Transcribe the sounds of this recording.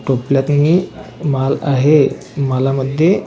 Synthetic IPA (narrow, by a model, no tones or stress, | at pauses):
ʈopljat̪niːmalaɦe | məlaməd̪ʱje